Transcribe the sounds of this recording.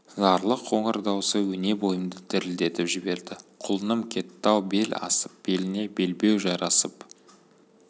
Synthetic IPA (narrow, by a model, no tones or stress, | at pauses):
zɑɾlˠəqʰːo̞ɴəɾd̪ɑwsəwɵne̞bo̞jəmd̪əd̪ɪɾɪld̪e̞t̪ɪpʒɪbe̞ɾd̪ɪqʰʊlˠənəmkʲʰe̞t̪ːɑwbe̞lɑ̰səp̚b̥e̞lɪne̞be̞lbe̞wʒɑɾɑsəp